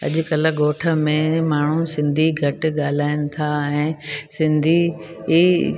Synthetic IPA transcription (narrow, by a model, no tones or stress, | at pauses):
ɐ̰ʄʊ̆kɐləɠoːʈʰə̆mẽmaːɳ̤usɪ̃nd̪ʱiɡʱɐʈ̆ɠaːl̤aːɪnɪ̆t̪ʰaɛ̃ːsɪ̃nd̪ʱi